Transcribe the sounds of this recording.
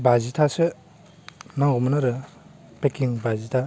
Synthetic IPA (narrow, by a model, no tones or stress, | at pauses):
bazitʰasɯ | naŋɡumɯnaɾɯ | pekiŋbazitʰa